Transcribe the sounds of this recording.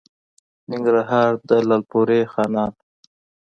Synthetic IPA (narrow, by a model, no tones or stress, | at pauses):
nɪŋɡɾaɦɑːɾd̪əlalpoɾexɑnɑːt̪